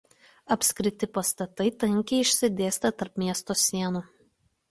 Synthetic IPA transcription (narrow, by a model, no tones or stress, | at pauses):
ɐpʲsʲkɾʲɪt̪ʲɪpɐst̪ɐt̪ɐɪt̪ɐŋʲkʲɛɪɪʃʲsʲɪd̪ʲeːsʲt̪ʲɐt̪ɐɾpmʲiɛst̪oːsʲiɛnuː